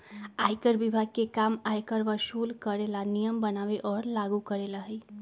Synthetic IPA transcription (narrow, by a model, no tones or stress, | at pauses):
ajkəɾʋibʱaɡ̚kekamajkəɾʋəʃulkəɾelanijəmbənaʋeʔɔːɾlaɡukəɾelaɦəj